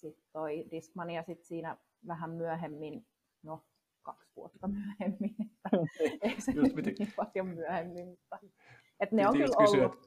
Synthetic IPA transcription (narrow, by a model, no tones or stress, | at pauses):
sit̪t̪oidiskmɑniɑsit̪siːnæ | ʋæhæmmyæhemːin | no | kɑksʋṵot̪ːɑmyæhemːinet̪ːæeisenyniːmpɑljommyæhemːimmut̪ːɑ | et̪neoŋylkyolːæut̪